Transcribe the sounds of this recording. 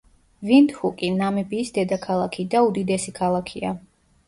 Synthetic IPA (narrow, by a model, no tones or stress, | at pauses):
vind̪hukʼinamɛbiːsd̪ɛd̪akʰalˠakʰid̪aud̪id̪ɛsikʰalˠakʰia̰